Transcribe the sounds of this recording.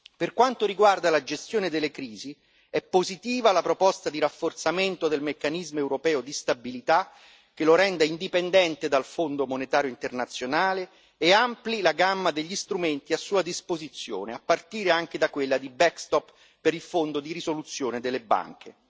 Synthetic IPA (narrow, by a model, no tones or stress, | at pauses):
perkwant̪oɾiɡward̪alad͡ʒest̪joːned̪elːekɾiːzi | ɛpːozit̪iːvalapɾopɔst̪ad̪iɾafːort̪sament̪od̪elmekːanizmoewɾopɛːod̪ist̪abilit̪a | k̟eloɾɛnd̪aind̪ipend̪ɛnt̪ed̪alfond̪omonet̪aːɾjoint̪ernat̪sːjonaːleː | amplilaɡamːad̪eʎːist̪ɾument̪iasːuːad̪ispozit̪sːjo̰ːneapːart̪iːɾeaŋk̟ed̪akwelːad̪ibɛkst̪ɔpː | eɾilfond̪od̪iɾizolut̪sːjoːned̪elːeba̰ŋk̟ʰe